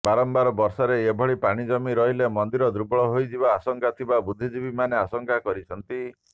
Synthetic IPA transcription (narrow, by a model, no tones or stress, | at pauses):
baɾɔmbaɾɔbɔɾsɔɾeebʱɔɽipaɽ̃id͡ʒɔmiɾɔɦilemɔnd̪iɾɔd̪ɾubɔɭɔɦojd͡ʒibaːsɔŋkat̪ʰibabud̪ʱːid͡ʒibimaneasɔŋkakɔɾit͡ʃʰɔnt̪i